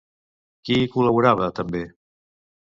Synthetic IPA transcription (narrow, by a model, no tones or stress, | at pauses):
kikuləβuɾaβət̪əmbe